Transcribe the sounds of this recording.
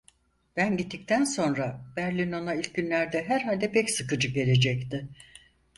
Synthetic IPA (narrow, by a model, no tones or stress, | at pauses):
b̥ænɟit̪ːict̪ʰænso̞nɾab̥æɾlʲino̞nailʲcɟynlʲæɾd̪ɛɦæɾɦalʲd̪ɛpʰɛcsɯkɯd͡ʒɯɟe̞lʲe̞d͡ʒɛct̪ɪ